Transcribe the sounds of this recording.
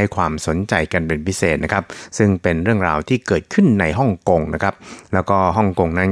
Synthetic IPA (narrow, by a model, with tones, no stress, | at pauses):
a˥˩jkʰwaː˧mso˨˩˦nt͡ɕa˧jka˧npe˧npʰi˦˥seː˨˩t̪̚na˦˥kʰa˦˥p̚sɯ˥˩ŋpe˧nɾɯ˥˩əŋɾa̰ː˧wt̪ʰiː˥˩kɤː˨˩t̪̚kʰɯ˥˩nːa˧jɦɔ˥˩ŋko˧ŋna˦˥kʰɾa˦˥p̚lɛː˦˥wkɔː˥˩ɦɔ˥˩ŋko˧ŋna˦˥n